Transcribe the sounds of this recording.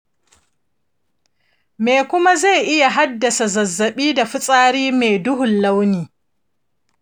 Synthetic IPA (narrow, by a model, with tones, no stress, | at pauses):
meː˨kʷʊ˦ma˦za˦˨jʔɪ˦ja˨ɦa˦dːa˨sa˨zɐ˨zːɐ˨ɓiː˦da˨ɸʊ˦sʼaː˦ɾiː˦meː˨dʊ˦hʊ˨nla˦wniː˨